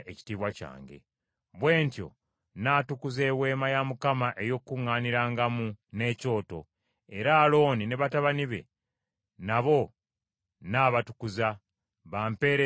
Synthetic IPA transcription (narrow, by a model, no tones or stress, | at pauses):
ʔeci̥tiβwaca̰ːŋɡe̞̰ | βwe̞ːntjo̞̰ | naːtukuze̞ːwe̞ːmajamukamaʔe̞jo̞kːuŋːaːniɾaːŋɡamune̞ːco̞ːto̞ | e̞ɾaːlo̞ːnine̞βataβaniβe̞̰ | naβo̞ | naːβatukuza | βaːmpe̞ːɾe